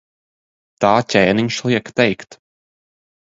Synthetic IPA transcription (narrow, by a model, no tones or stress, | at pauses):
t̪aːtʲɛːniɲʃlˠiɛkt̪ɛjkt̪